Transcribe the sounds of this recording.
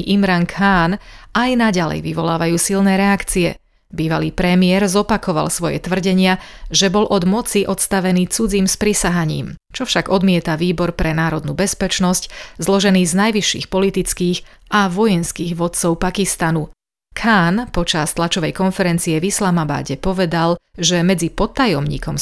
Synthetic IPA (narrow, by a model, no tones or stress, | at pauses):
ʔimɾaŋkʰaːnajnaɟalɛ̰jʋiʋɔlaːʋajuːsilnɛːɾɛakt͡siɛ̰ | biːʋaliːpɾɛmiɪɛɾzɔpakʰɔʋa̰lsʋɔjɛ̰t̪ʋr̩ɟɛɲɪaʒɛbɔlʔɔd̪mɔt͡siʔɔt̪st̪aʋɛniːt͡sud͡ziːmspɾisaɦaɲḭːmt͡ʃɔfʃaɡɔd̪mɪɛt̪aʋiːbɔɾpɾɛnaːɾɔd̪nuːbɛspɛt͡ʃnɔsczlɔʒɛniːznajʋiʃːḭːxpɔlit̪it͡skiːɣ | ʔaʋɔjɛnskiːɣʋɔt̪t͡sɔʊpakist̪anu | kʰaːnpɔt͡ʃast̪lat͡ʃɔʋɛjkɔnfɛɾɛnt͡siɛvislamaba̰ːɟɛpɔʋɛd̪alʒɛmɛd͡zipɔt̪ːajɔmɲḭːkʰɔm